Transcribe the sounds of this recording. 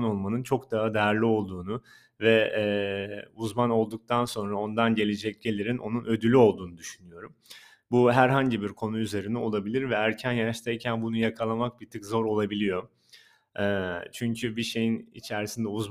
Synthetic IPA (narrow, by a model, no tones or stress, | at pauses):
no̞lˠmanɯnt͡ʃʰo̞kd̪aɦad̪ejæɾlʲio̞lˠd̪uːnu | vɛː | uzmano̞lˠd̪uk̚t̪ʰanso̞nɾao̞nd̪anɟe̞lʲed͡ʒɛc̚ɟe̞lʲiɾinʔo̞̰nunø̞d̪ylʲyo̞lˠd̪uːnud̪yʃynyjo̞ɾum | buɦæɾɦaɲɟibiɾkʰo̞nuyze̞ɾinɛo̞lˠabilʲiɾvɛːɾcʰænjaʃt̪ʰajcʰænbunujakʰalˠamak̚bit̪ʰɯkzo̞ɾo̞lˠabilʲijo̞ | ɛːt͡ʃʰyɲcʰybiʃe̞jinḭt͡ʃʰæɾsind̪ɛuzm